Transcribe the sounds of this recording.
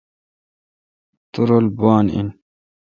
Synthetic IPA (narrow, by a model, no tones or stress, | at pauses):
t̪uɾolbaːnḭn